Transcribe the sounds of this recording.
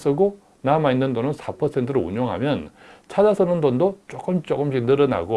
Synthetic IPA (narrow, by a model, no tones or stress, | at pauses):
s͈ɯɡo | namainːɯndonɯnsʰapʰʌsʰentʰɯɾoṵɲoŋɦa̰mjʌn | t͡ɕʰad͡ʑasʰɯnɯndondot͡ɕ͈ok͈ɯmt͡ɕ͈oɡɯmɕʰik̚nɯɾʌna̰ɡo